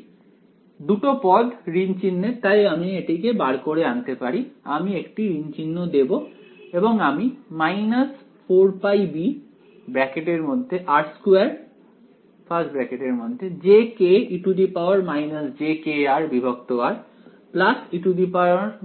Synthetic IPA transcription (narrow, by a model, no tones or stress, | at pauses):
d̪uʈopɔd̪ɾint͡ɕinːet̪ajamieʈikebaɽkoɽeant̪epaɾiamiekʈiɾint͡ɕinːod̪eboeboŋamimajnas | fʰoɾpajbi | bɾɛkeʈeɾmod̪ʱːeʔaɾskuaɾ | fʰasʈbɾɛkeʈeɾmod̪ʱːed͡ʑekeiʈud̪ipaoaɾmajnasd͡ʑekeaɾbibʱokt̪oaɾ | plasiʈud̪ipaoaɾ